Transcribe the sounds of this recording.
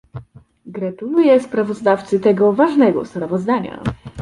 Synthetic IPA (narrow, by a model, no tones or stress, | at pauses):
ɡɾat̪ulujɛspɾavɔzd̪aft̪sɘt̪ɛɡɔvaʐnɛɡɔ̰spɾavɔzd̪aɲa̰